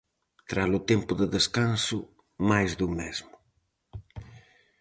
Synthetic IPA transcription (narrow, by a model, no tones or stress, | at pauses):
t̪ɾalut̪empʊðəðəskansu | majzðumezmʊ